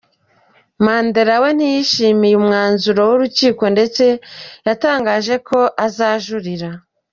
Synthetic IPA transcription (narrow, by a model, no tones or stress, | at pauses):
maːnde̞ɾawe̞n̥ijiʃiːmijumŋaːnzuɾo̞wuɾuciːko̞nde̞t͡se̞jataːŋɡaːʒe̞kʰo̞ʔazaːʒuɾiɾa